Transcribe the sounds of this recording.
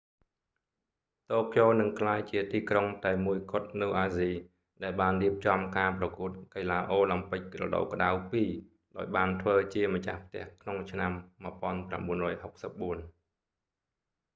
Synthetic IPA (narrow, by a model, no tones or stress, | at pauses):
t̪oːkjoːnɨŋkʰlaːjt͡ɕiət̪iːkroŋt̪aɛmuəjkŏət̪̚nɨwʔaːziː | ɗaɛlɓaːnriəp̚t͡ɕɑmkaːprɑkuət̪̚kelaːʔoːlampɨc̚rɔ̰ɗo̰wkə̆ɗawpiː | ɗaɔjɓaːnt̪ʰʋəːt͡ɕiəmət͡ɕahpʰt̪ɛ̰̆əhkʰnoŋt͡ɕʰnamːɨəpŏənpra̰mɓuənrɔːjhok̚səp̚ɓuən